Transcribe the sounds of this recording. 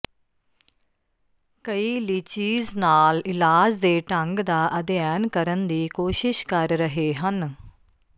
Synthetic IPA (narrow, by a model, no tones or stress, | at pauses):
kəiːlit͡ʃiːznaːlɪlaːd͡ʒd̪eːʈəŋɡd̪aːʔəd̪ɪjaːnkəɾənd̪iːkoːʃɪʃkəɾːəɦeːɦən